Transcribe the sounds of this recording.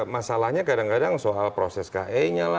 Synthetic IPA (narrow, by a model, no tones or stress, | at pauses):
masalahɲakadaŋkadaŋsoalpɾosɛska̰ɦeiɲala